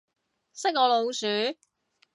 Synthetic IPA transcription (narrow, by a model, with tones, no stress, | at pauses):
sɪ˥k̚ɔː˨˧lo˨˧wsyː˨˥